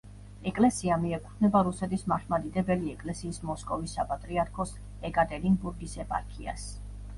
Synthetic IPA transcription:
ɛkʼlɛsiamiɛkʼuχʰnɛbaɾusɛt̪ʰismaχmad̪id̪ɛbɛliɛkʼlɛsiːsmɔskʼɔvisːapʼat̪ʼɾiaɾkʰɔs | ɛkʼat̪ʼɛɾinbuɾɡisɛpʼa̰ɾkʰia̰s

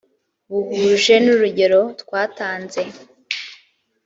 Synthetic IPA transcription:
βuhuʒe̞nuɾuɟe̞ɾo̞tkwaːtaːnze̞

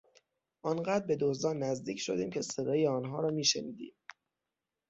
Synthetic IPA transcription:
ʔɒnɢæd̪ɾbe̞d̪ozd̪ɒːnːæzd̪iːcʰʃo̞d̪iːmcʰe̞sed̪ɒːjeɒːnɦɒːɾɒːmiːʃeniːd̪ḭːm

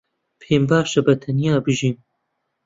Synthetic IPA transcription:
pʰeːmbaːʃɐbɐt̪ʰɐnijaːbɨʒiːm

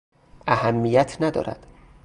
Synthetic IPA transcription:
ʔæhæmːijæt̪ʰnæd̪ɒ̰ːɾæ̰d̪̥

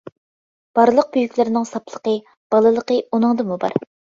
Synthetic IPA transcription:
b̥ɑɾlˠəq̚byjykʲlɪɾɪnɪŋsɑpʰlˠəqə | b̥ɑlˠɨlˠəqəunɨŋd̪ɨmubɑ̰ɾ

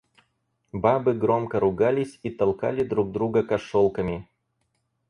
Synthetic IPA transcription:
babɨɡɾo̞mkəɾʊɡalʲɪsʲit̪ɐlˠka̰lʲɪd̪ɾuɡ̚d̪ɾuɡəkɐʂolˠkəmʲɪ

